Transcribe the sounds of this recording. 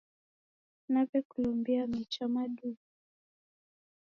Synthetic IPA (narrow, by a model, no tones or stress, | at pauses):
napɛkulɔmbiamit͡ʃamaɗu